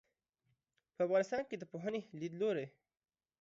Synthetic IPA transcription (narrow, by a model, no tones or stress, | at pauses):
pəafɣɑnɪst̪ɑnked̪əpoɦənelid̪loɾe